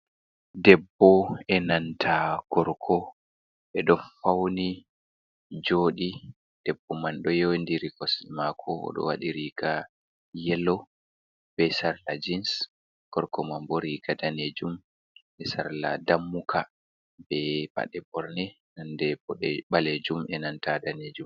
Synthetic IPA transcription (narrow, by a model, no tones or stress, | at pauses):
dɛbːɔɛnantʰaɡ̥ɔɾkʰɔ | ɓɛɗɔfawni | d͡ʒoːɗi | d̥ɛbːɔmanɗɔjowndiɾikɔsimakʰɔɔ̰ɗɔ̰waɗiɾika | jɛlɔ | b̥ɛsaɾlad͡ʒins | ɡ̥ɔɾkɔmamboɾiɡadaned͡ʒum | ɛsaɾla̰damːukʰa | bɛba̰ɗɛbɔɾnɛ | nandɛbɔɗɛɓaled͡ʒumɛnantadaned͡ʒum